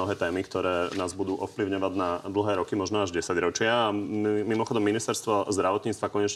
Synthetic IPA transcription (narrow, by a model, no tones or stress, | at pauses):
ɔɦɛːt̪ɛːmikt̪ɔɾɛːnaːzbud̪uːʔɔfpliʊɲɔʋaɟnad̪l̩ɦɛːɾɔkimɔʒnɔaʒɟɛsaɟɾɔt͡ʃɪamimɔxɔd̪ɔmːinist̪ɛɾst̪ʋɔzd̪ɾaʋɔt̪ɲiːt͡st̪ʋakɔɲɛt͡ʃ